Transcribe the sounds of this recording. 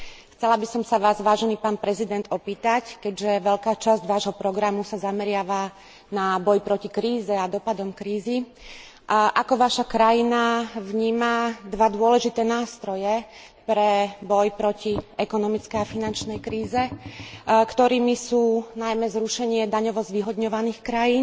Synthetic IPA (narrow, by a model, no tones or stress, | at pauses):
xt͡sɛlabisɔmsaʋaːzʋaːʒɛniːpaːnpɾɛzid̪ɛnt̪ɔpiːt̪ackɛɟʒɛʋɛʎkaːt͡ʃazɟʋaːʒɦɔpɾɔɡɾamusazamɛɾɪaʋa | nabɔjpɾɔcikɾiːzɛad̪ɔpad̪ɔmkɾiːzi | ʔakɔʋaʃakɾajinaʋɲiːmad̪ʋad̪ʊɔlɛʒit̪ɛːnaːst̪ɾɔjɛ | pɾɛbɔjpɾɔciɛkɔnɔmit͡skɛjafinant͡ʃnɛjkɾiːzɛ | kt̪ɔɾiːmisuːnajmɛzɾuʃɛɲɪɛd̪aɲɔʋɔzʋiɦɔd̪ɲɔʋaniːxkɾajiːn